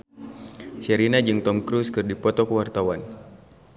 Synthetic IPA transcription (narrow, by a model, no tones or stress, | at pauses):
sɛɾinad͡ʒɨŋt̪ɔmkɾuskɨrdipɔt̪ɔkəwart̪awan